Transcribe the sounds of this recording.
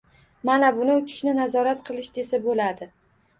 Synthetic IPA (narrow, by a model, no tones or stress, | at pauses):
manabʊnɪʊt͡ʃ̪ʰɪ̥ʃnɪnazɒɾat̪qʰɨlˠɪʃd̪e̞sabolad̪ɪ